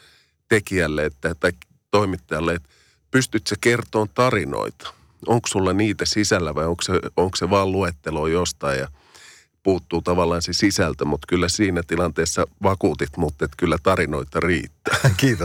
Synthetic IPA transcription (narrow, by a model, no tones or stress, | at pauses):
t̪ekiælːeet̪ːæt̪ɑik | t̪oimit̪ːɑjɑlːeet̪ | pyst̪yt̪sekert̪oːnt̪ɑrino̰it̪ɑ̥ | oŋksulːɑniːt̪æsisælːæʋɑijoŋkseoŋkseʋɑːlluet̪ːeloːjost̪ɑijjɑ | puːt̪ːuːt̪ɑʋɑlːˑɑːnsesisælt̪æmut̪kylːæsiːnæt̪ilɑnt̪eːsːɑʋɑkuːt̪it̪mut̪ːet̪kylːæt̪ɑrinoit̪ɑrḭːt̪ːæːkiːt̪o